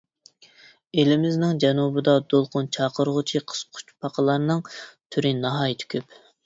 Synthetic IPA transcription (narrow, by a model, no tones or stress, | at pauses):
elɪmɪznɪŋd͡ʒɛnubɨd̪ɑd̪olˠqʰʊnt͡ʃʰɑːqəɾʁʊt͡ʃʰiqʰə̥sqʰʊ̥t͡ʃpʰɑqʰəlˠɑɾnɨŋt̪ʰyɾɪnɑɦɑːjit̪ʰɪ̥kʲʰøp